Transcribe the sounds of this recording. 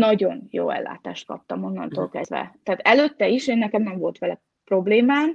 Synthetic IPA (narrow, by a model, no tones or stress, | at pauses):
nɒɟo̞njo̰ːɛ̰lːa̰ːt̪a̰ːʃt̪̚kɒ̰p̚t̪ɒmo̞nːɒ̰nt̪oːlkɛzd̪ʋɛ̰t̪aːt̪ɛløt̪ːɛiʃeːnːɛkɛmnɛɱvo̞lt̪ʋɛlɛ | pro̞bleːmaːm